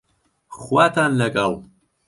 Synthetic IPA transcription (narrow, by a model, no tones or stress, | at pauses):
χwaːt̪ʰanlɐɡʼalˠ